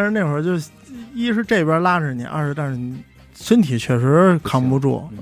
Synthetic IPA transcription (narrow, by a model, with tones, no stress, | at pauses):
ʂɻ̩˧ne˥˩˧ɻɔ˧˥t͡ɕjo˥˧˩ʊ | i˥ʂɻ̩˥˧ʈ͡ʂe˥˧i˧pʲjə˥˧la˥ʈ͡ʂ̩˨˩nḭ˨˧˥ʔa̰˧ʂɻ̩˧t̪a˥˧nʂɻ̩˥˩ni˧˩ | swə˥nt̪ʰi˨˩t͡ɕʰɥɛ˥˩ʂɻ̩˧˥kʰɑ˥ŋpu˧ʈ͡ʂɔ̰˥˩